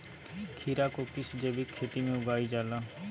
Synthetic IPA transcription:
kʰiːɾaːkokɪsd͡ʒeːbikʰːeːt̪imẽʊɡaːid͡ʒaːlaː

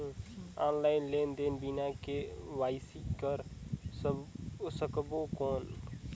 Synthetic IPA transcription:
ãːnlaːɪnleːnd̪eːnbinãːkeːʋaːɪsikəɾs | səkbokoːn

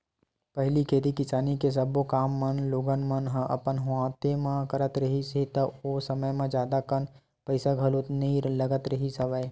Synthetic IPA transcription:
pɐɦlikʰeːt̪ikɪsaːnikes̬ɐbokaːmːənloːɡənmɐnɦə̃ʔɐ̰pənɦʊãːt̪emãkəɾət̪ɾəɦisɦit̪ɐosɐməjmãd͡ʒjaːd̪akən | pəɪsaɡʱɐlonɐĩlɐɡət̪ɾɐɦisɐʋəe

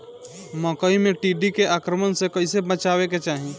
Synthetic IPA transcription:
məkəimeʈiɖikeʔakɾəmənsẽkəɪsebət͡ʃabeket͡ʃaɦi

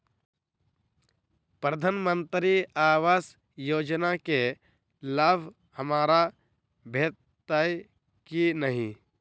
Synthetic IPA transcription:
pɾəd̪ʱaːnmə̃nt̪ɾiaːwaːs | joːd͡ʒnake | laːbʱ | həmaːɾa | bʱeːt̪ | aj | kinəɦĩ

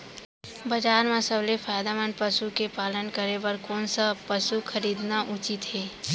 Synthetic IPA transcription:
bəd͡ʒaːɾmãsəblefʰaːjd̪amənpəsukepaːlənkəɾebəɾkɔːnsapəsukʰəɾiːd̪naʔʊt͡ʃɪt̪ɦeː

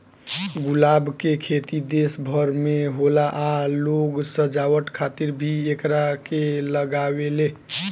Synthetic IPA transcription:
ɡulabkekʰet̪id̪esbʱəɾmeɦolaʔaloɡsəd͡ʒawəʈkʰat̪iɾbʱiekɾakeləɡawele

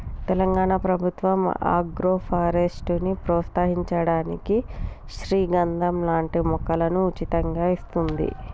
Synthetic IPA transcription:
t̪ɛlɐŋɡaːɳapɾɐbʱut̪ʋɐma̰ːɡɾoːpʰaːɾesʈunipɾɔːt̪saːɦiɲt͡ʃɐɽaːniki | ʃɾiːɡɐnd̪ʱɐmlaːɳʈimɔkɐlɐnuːt͡ʃit̪ɐŋɡaːist̪und̪ḭ

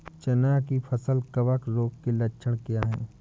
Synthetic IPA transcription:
t͡ʃɐnaːkipʰəsəlkɐʋəkɾoːɡkelɐt͡ʃʰəɽ̃kɪjaɦɛ̰̃ː

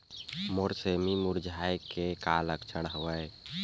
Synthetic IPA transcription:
moɾsemimuɾd͡ʒʱajkekaləkt͡ʃʰəɽɦəwəj

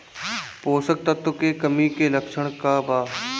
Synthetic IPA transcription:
poːsək̚t̪ɐt̪okekəmikeləkʃəɽ̃kabaː

